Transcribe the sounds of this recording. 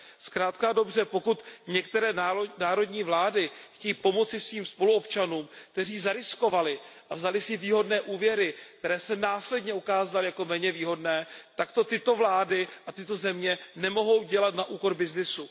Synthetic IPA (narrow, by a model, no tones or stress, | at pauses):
skɾaːt̪̚kado̞br̝ɛpo̞kut̪ɲɛkt̪ɛɾɛːnaːɾo̞dɲiːvlaːdɪxcɛjiːpo̞mo̞t͡sɪsviːmspo̞luopt͡ʃanuːmk̚t̪ɛriːzaɾɪsko̞valɪʔavzalɪsɪviːɦo̞dnɛːʔuːvjɛɾɪkt̪ɛɾɛːsɛnaːslɛdɲɛukaːzalɪjako̞mɛːɲɛviːɦo̞dnɛːt̪akt̪o̞t̪ɪt̪o̞vlaːdɪʔat̪ɪt̪o̞zɛmɲɛnɛmo̞ɦo̞wɟɛlat̪naʔuːko̞ɾbɪznɪsu